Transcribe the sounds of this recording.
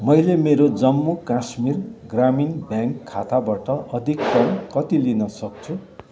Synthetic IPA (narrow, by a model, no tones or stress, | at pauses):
mʌjlemeɾod͡zʌmːukasmirɡraminbjãŋkʰːat̪ʰabaʈʌʔʌd̪ʱikt̪ʌmkʌt̪ilinʌsʌk̚t͡sʰu